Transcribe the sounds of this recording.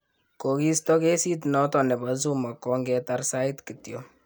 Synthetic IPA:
ko˨ki˦stɔ˦kɛ˦si˦t̬nɔ˦tɔ˨nɛ˨ba˨z̬u˦ma˨kɔ˦ŋɡɛ˦ta˦rsa˦i˦tki˨tjo˦

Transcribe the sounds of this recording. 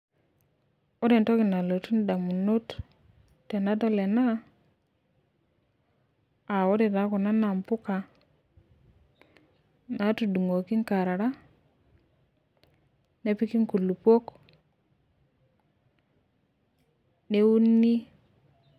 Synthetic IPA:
o˦ɾe˨nto˦ki˨na˨lo˨tu˦nda˨mu˨no˦t | tːe˨na˦dɔ˦le˨na˦ | a˨wo˦ɾe˨ta˨˦ku˨na˦na˨mpu˦ka˨ | na˨˦tu˨du˨ŋo˨ki˦ŋka˨ɾa˨ɾa˦ | ne˦pi˦ki˦ŋku˨lu˨po˦k | ne˦wu˦nːi˦

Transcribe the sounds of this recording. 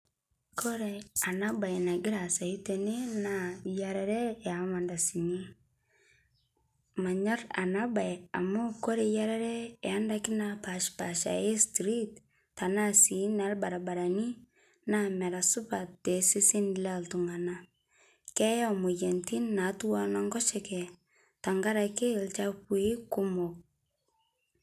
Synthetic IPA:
kʰo˦ɾe˨a˨na˦ba˨jna˨ɡɪ˦ɾa˨sa˨i˦te˨ne˦na˦jaɾɛ˦ɾe˦a˨ma˨nda˨si˨ɲi˦ | ma˨ɲa˦ɾa̰˨na˦ba˨ja̰˨mo˦ko˦ɾe˨ja˦ɾa˦ɾɛ˦e˨a˦nda˦kɪ˦na˦pa˨ʃpa˨ʃa̰˨je˦stɾi˦tː | a˨na˦si˨na˨˦lba˨ɾa˨ba˨ɾa˨ni˦ | na˦mɛ˨ɾa˨su˦pa˨td̥e˨si˦si˦nlaltu˨ŋa˨na˦ | kɛ˦ja˦mu˨jɛ˨nti˦nnːa˨˦tu˦wa˦na˦ŋɡɔ˦ʃɛ˨kɛ˨ | ta˨ŋɡa˦ɾa˨ke˦lt͡ʃa˦pwi˦ku˦mo˨k̚

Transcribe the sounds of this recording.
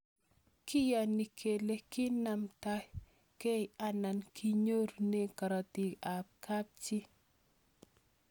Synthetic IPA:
kɪ˦jɔ˨ni˨kʰe˨le˦kɪ˦na˨mta˦ | ke˦ɪ˨a˦na˨nkʰi˦ɲo˦ɾne˦ka˨ɾɔ˨ti˨a˨p̚ka˦p̚t͡ʃi˦

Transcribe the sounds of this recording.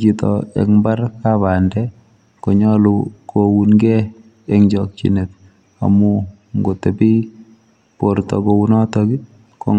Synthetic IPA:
kitɔ̰ɛ̰˨kmba˦ɾkaβa˨ndɛ | ko˨ɲɔ˦luko˨wunɡɛ˦ | ɛŋd͡ʒɔk̚t͡ʃḭne˨t̚ | a̰mu | ŋɡo˨tɛpi˦ | po˨ɾtɔ̰ko˨wunɔ˦tɔki˦ | ko̰˦

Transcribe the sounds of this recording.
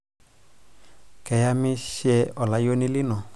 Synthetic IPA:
kɛ˨ja˧mĩ˦ʃjɛ˧ɔ˨la˨jo˦nĩ˦lɪ˦nɔ˨

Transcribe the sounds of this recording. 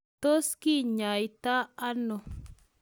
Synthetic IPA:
t̪o˦ski˦ɲa˨jt̪aː˦no˨

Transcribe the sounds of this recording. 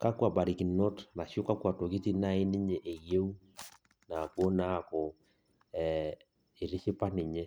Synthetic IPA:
ka˦kwa˨ba˨ɾi˨ki˨no˦tna˨ʃjo˦ka˦kwa˨to˨ki˦ti˦na˦i˦nɪ˦ɲe˨ʔe˨je˦u˦ | na˨ko˦na˦˨ko˨ | ɛ˨ | i˨ɾi˦ʃi˦pa˦nɪ˨ɲe˦

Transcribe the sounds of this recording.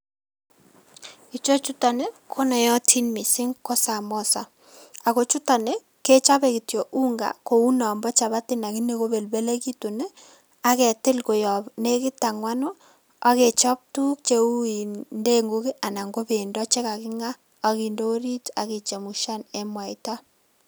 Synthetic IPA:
i˨t͡ʃo˦t͡ʃu˦ta˨ne˦kʰo˦nɔ˨jɔ˦tʰi˦nmi˨sɪ˦ŋko˦sa˨mɔ˦sa˨ | a˨ko˦t͡ʃu˦ta˨ne˦ | ke˦t͡ʃa˦βe˨ki˨tjo˨ʔu˦ŋɡa̰˨ko˨u˦nɔ˨mbɔ˦t͡ʃa˨βa˦tɪ˦na˨ki˦ne˦ko˦βe˨lbe˦le˦ki˦tu˨ne˦ | a˦kɛ˨tɪ˦lko˨jɔ˨bne˦kɪ˦ta˨ŋwa˦nɔ˦ | a˦ke˨t͡ʃɔ˦p̚tu˦k̚t͡ʃe˦u˦i˨nde˦ŋɡo˦ki˦ʔa˨na˨ŋɡo˦be˨ndɔ˦t͡ʃe˦ka˨kɪ˦ŋa˦ | a˨ki˨ndo˦ɾi˦ta̰˨ke˨t͡ʃe˨mu˨ʃa˦ne˦mwa˨i˨ta˦

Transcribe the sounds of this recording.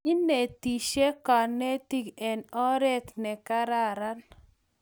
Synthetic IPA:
i˦ne˨t̪i˨ʃe˦kɔ˨ne˦ti˦kɛ˨nɔ˦ɾe˦t̪nɛ˨ka˦ɾa˨ɾa˦l

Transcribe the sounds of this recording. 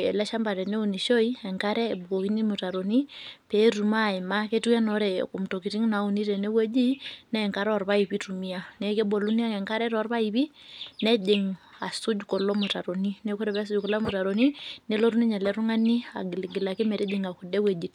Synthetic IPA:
ḛ˨lɛ˦ʃa˦mba˨ɾɛ˨ne˦u˨ni˨ʃo˦i˦ɛ˨ŋka˦ɾɛ˦˨bu˨ko˨ki˦ni˦mu˨ta˨ɾo˨ni˦pɛ˨˦ɾu˨ma˦˨i˨ma˦ke˦tu˦ja˦nɔ˨˦ɾɛ˨ku˨m˨to˨ki˨ti˦ŋna˨˦u˨ni˦ɾɛ˨ne˦we˦d͡ʒi˦nɛ˨ŋka˦ɾɔ˨ɾβa˦i˨pi˦tu˨mi˦a˦nɛ˨˦ke˦bo˨lu˦ni˦a˦ŋɛ˨ŋka˦ɾɛ˦ɾɔ˦ɾβa˦i˨βi˦ | nɛ˦d͡ʒe˨ŋ | a˨su˦d͡ʒkɔ˨lɔ˦mu˨ta˨ɾo˨ni˦ne˦ko˦ɾe˨βɛ˦s̬u˦d͡ʒkɔ˨la˦mu˨ta˨ɾo˨ni˦ne˦lo˦ɾu˦ni˦ɲɛ˨lɛ˦ɾu˦ŋa˦ni˦a̰˨ɡlɡi˨la˨ke˦mɛ˨ɾe˦d͡ʒe˨ŋa˨ku˨dɛ˦we˨d͡ʒi˨t

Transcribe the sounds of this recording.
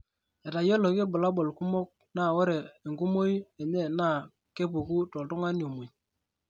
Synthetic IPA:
e˨ta˨jɔ˦lo˨ke˦bʊ˨la˦bo˨lku˦mo˦k̚ | na˦˨wɔ˦ɾɛ˨e˨ŋɡu˦mo˦je˨ɲe˦˨na˦˨ | ke˦pu˨ku˦tɔ˨ltʊ˦ŋa˦njo˨mu˨j

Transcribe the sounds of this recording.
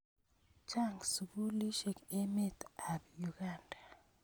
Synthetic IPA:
t͡ʃa˦˨ŋɡsu˨bu˦li˦ʃe˨ke˦me˦t̪a˨bju˨ɡ̥a˦nda˨

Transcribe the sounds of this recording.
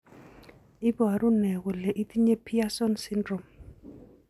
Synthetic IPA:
ɪ˦bɔ˨a˨ɾʊ˦nɛ˨kɔ˨lɛ˨ʔi˦ti˦ɲe˦pʰi˦a˦sɔ˦nsɪ˦ndrɔ˨m

